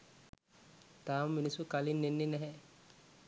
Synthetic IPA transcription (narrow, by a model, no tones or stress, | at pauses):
t̪aːmɐminisukalinːenːenɛɦɛ